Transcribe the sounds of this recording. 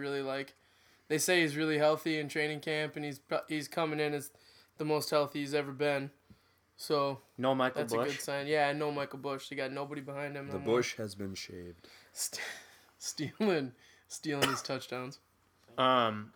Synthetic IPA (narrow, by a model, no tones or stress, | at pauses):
ɹɪlˠilaɪk | ðeɪseɪizɹɪlˠiɦɛlˠθiɨ̃ntʰɹ̥ẽɪ̃nɪ̃ŋkʰæ̃mpɨ̃niz̥pʰɑhiz̥kʰʌmɪ̃ŋɨ̃nɨz | ðəmoʊst̚hɛlˠθiizɛvə˞bɪ̃n | soʊnoʊmaɪkðlæsbɨʊʃɡʊd̥sãɪ̃njæaɪnoʊmaɪkl̩ˠbʊʃðiɡɑtⁿnoʊbəɾibəhãɪ̃nd̚ɨ̃mðəbʊʃhɨzbɨ̃nʃḛɪvd̥s | stilˠɪ̃n | stilˠɪ̃nɨz̥tʰʌt͡ʃd̥ãʊ̃nz̥ | ʌ̃m